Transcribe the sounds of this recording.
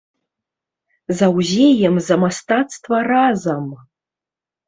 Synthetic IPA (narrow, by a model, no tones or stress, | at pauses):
zawzʲejɛmzamastatstʰʼvɐrazam